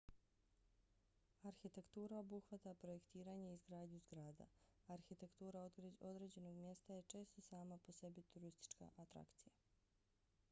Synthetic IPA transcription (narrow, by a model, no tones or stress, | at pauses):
aɾxit̪e̞kt̪uːɾao̞buxʋat̪apɾo̞je̞kt̪iːɾaɲeizɡɾaːd̪ɲuzɡɾaːd̪a̰aɾxit̪e̞kt̪uːɾaoo̞d̪ɾed͡ʑe̞no̞ɡmje̞st̪ajet͡ʃe̞ːst̪o̞saːmapo̞se̞bit̪uɾist̪i̥t͡ʃka̰ʔat̪ɾa̰kt̪sija